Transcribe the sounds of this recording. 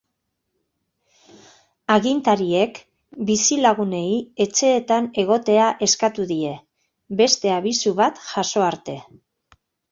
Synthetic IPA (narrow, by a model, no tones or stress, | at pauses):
aɣint̪aɾie̞k | bisilaɣ̞une̞ie̞t͡ʃe̞ːt̪ane̞ɣ̞o̞t̪e̞aʔe̞skat̪uðie̞ | be̞st̪e̞aβ̞isuβat̪ʝaso̞aɾt̪e̞